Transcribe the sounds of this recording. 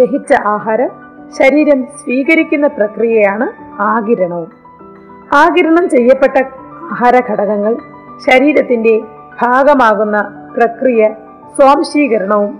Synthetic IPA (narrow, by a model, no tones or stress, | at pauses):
eɦit͡ɕːɐʔaːɦaːɾɐ | ɕɐɾiːɾɐmsʋiːɣɐɾikʲːunːɐprɐkrijɐjaːɳɨaːɡiɾɐɳɐʋum | aːɡiɾɐɳɐmt͡ɕe̞jːɐpːe̞ʈːɐaːɦaːɾɐɡʱɐɽɐɣɐŋːɐɭ | ɕɐɾiːɾɐt̪ːinde̞ | b̥ʱaːɡɐmaːɣunːɐ | prɐkrijɐ | soːmɕiːɣɐɾɐɳɐʋum